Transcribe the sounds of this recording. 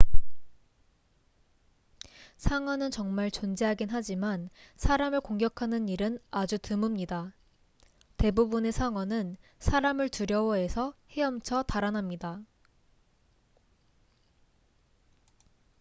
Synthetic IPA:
sʰaŋwʌnɯnt͡ɕʌŋmaɭt͡ɕond͡ʑeɦaɡinɦad͡ʑimansʰaɾamɯɭkoŋɡjʌkʰanɯniɾɯnad͡ʑutɯmɯmɲida | te̞bubune̞sʰaŋwʌnɯnsʰaɾamɯɭtuɾjʌwʌɦe̞sʰʌhe̞ʌmt͡ɕʰʌtaɾanamɲida

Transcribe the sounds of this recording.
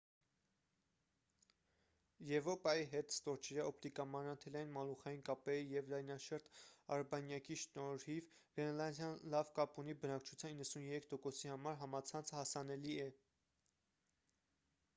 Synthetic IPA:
jɛvɾɔpɑjiɦɛt̪st̪ɔɾt͡ʃʰɛɾjɑɔpt̪ikɑmɑnɑnt̪ʰɛlɑinmɑluχɑjinkɑpɛijɛvlɑjnɑʃəɾt̪ɑɾbɑnjɑkiʃnɔɾhivɡɛnlɑnd̪jɑnlɑvkɑpunibənɑkt͡ʃʰu̥t͡sʰjɑninːəsunjɛɾɛkʰt̪ɔkɔsihɑmɑɾɦɑmɑt͡sʰɑnt͡sʰəhɑsɑnɛliɛ

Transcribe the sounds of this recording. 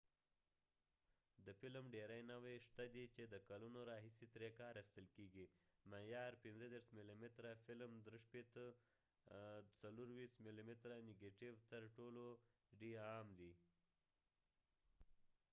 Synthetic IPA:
d̪əfɪlmɖeɾajnawejʂt̪ad̪it͡ʃed̪əkalunoɾɑɦisit̪ɾekɑɾaxst̪əlkeɡimajɑɾpɪnzəd̪eɾsmilimɪt̪ɾafɪlmd̪ɾəʃpet̪ə | t͡saluɾwist̪milimɪt̪ɾanɪɡeʈɪwt̪əɾʈolo | ɖiɑmd̪i

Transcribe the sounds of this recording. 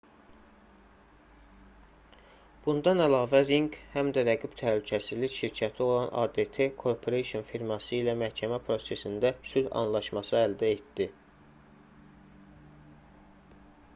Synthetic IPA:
b̥und̪ɑnælɑːvæɾiŋkhæmd̪æɾæɡib̥t̪ʰæhlycʰæsizlicʃiɾcʰæt̪ʰio̞lˠɑnʔɑ̰d̪e̞t̪ʰe̞kʰo̞ɾpʰoɾesonfiɾmɑsɯilæmæhcʰæmæpʰɾo̞se̞sind̪æsylɑ̰nlˠɑʃmɑsɯæld̪æe̞t̪d̪i

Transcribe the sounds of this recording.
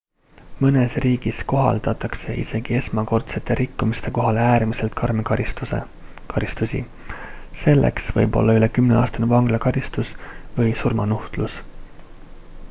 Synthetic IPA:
mɤne̞sriːɡ̥isko̞ɦɑ̰ld̪̥ɑt̪ˑɑkse̞ʔḭse̞ɡ̥ie̞smɑko̞rt̪se̞t̪ːˑe̞ɾʔikːumist̪e̞ko̞ɦɑleæːɾmise̞lt̪̚kɑrmekɑɾist̪usḛ | kɑɾist̪usʲḭ | se̞lːʔe̞̰ksvɤ̰jbo̞̰lːɑyle̞kymneɑ̰ːst̪ɑnevɑŋɡ̥lɑkɑɾist̪usvɤjsurmɑnuht̪lus

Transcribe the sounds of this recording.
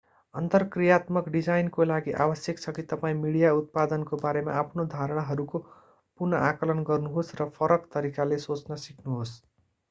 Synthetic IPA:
ʌnt̪ʌrkrijat̪mʌkɖid͡zajnkolaɡiʔa̰bʌsjʌkt͡sʰʌkit̪ʌpaĩmiɽijaut̪̚pad̪ʌnkobaɾema̰ːpʰnod̪ʱaɾʌɽ̃aɦʌɾuko | purnʌʔakʌlʌnɡʌrnuɦosrʌpʰʌɾʌkt̪ʌɾikalesot͡snʌsiʈʰnuɦos

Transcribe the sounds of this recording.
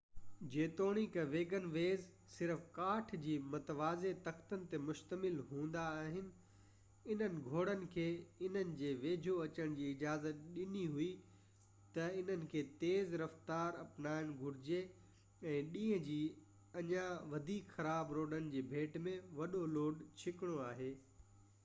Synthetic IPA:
d͡ʑeːt̪oːɽ̃ikʋeːɡənʋeːz | sɪɾfkaːʈʰd͡ʑiːmɐt̪ʋaːzet̪ɐxt̪ənɪ̆t̪emʊʃt̪əmɪlɦũːn̆d̪aːɦɪnɪ̆ | ɪn̤ənɪ̆ɡʱoːɽənɪ̆kʰeːɪn̤ənɪ̆d͡ʑeːʋeːd͡ʑʱoɐt͡ɕəɽ̃d͡ʑiːɪd͡ʑaːzət̪̚ɗɪniɦui | t̪ɐɪn̤ənɪ̆kʰeːt̪eːzɾɐft̪aːɾɐpnaːɪɽ̃ɡʱʊɾɪd͡ʑe | ɛ̃ːɗĩːɦə̃d͡ʑiː | ɐɲãʋɐd̪ʱiːkxɐɾaːbɾoːɖənɪ̆d͡ʑeːbʱeːʈmẽʋɐɗoloːɖt͡ɕʰɪkɪɽ̃oaːɦeː

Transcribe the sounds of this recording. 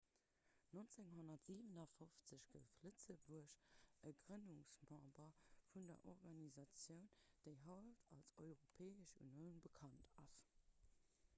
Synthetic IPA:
nont͡seŋɦonɐtz̥iːvənɐfoft͡səɕɡ̥əlflətt͡səbuəɕʔəɡʁənuŋsmɑ̃ːbɐfundɐ̰ʔɔʁɡɑnizɑt͡sjəʊnd̥əɪɦɑltʰɑlsɔɪʁopʰɛːəʃṵnjəʊnbəkʰɑntʰɑs

